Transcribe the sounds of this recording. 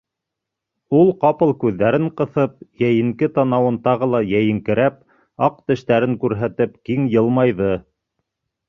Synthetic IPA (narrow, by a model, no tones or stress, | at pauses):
ulˠqɑpɤlˠkʉðːæɾɘɴqɤ̆θɤp̚jæjɘ̆ŋkɘt̪ɑnɑwɤnt̪ɑʁɤlˠɑjæjɘ̆ŋkɘ̆ɾæp̚ | ɑq̚t̪ɘ̆ʃt̪æɾɘŋkʉɾɦæt̪ɘp̚kiŋjɤlˠmɑjðɤ